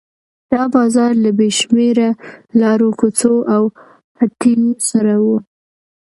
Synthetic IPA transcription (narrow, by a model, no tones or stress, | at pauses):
d̪̥ɑbɑzɑɾlabeʃmeɾalɑɾokot͡soʔaw | hat̪isaɾawu